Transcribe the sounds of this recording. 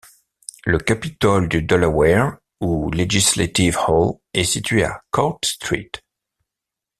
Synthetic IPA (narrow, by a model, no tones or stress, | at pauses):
ləkapit̪ɔld̪yd̪ɔlawɛʁ | uleʒislat̪ivhɔl | ɛsit̪ɥea̰kɔt̪st̪χḭt̪